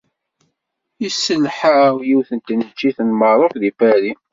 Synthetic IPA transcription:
isəlħajiwθənt̪nət͡ʃːiθənməɾˤofðifæɾi

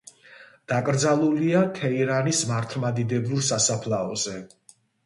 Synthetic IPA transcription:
d̪̥akʼɾd̪zalˠuliakʰɛiɾanismaɾt̪ʰmad̪id̪ɛbuɾsasapʰlaɔzɛ

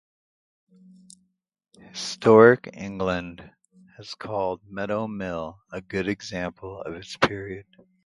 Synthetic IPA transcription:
hɨ̥stʰɔɹɪkɪ̰̃ŋɡlɨ̃nd | ɨz̥kʰɔlˠd̚mɛɾoʊmɪlˠɨɡʊɾɨɡzæ̃mpʰl̩ˠʌ̰vɨtspʰɪɹiɨd̥

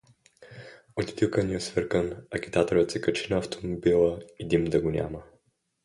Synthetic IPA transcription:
ot̪i̥t̪ilˠkəniɛsvəɾkənɐk̟ʲi̥t̪at̪oɾət̪sɛkət͡ʃinɐːft̪omobilˠəid̪imd̪ɐɡonʲa̰mə

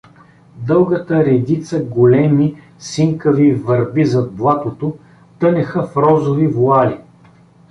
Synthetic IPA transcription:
d̪ɤlˠɡət̪əɾɛd̪it̪səɡolɛmi | siŋkəvivɐɾbizɐd̪̚blˠat̪ot̪o | t̪ɤnɛxəfɾɔzovivoali

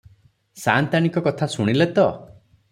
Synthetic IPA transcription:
sant̪añikɔkɔt̪ʰasuɽ̃ilet̪ɔ

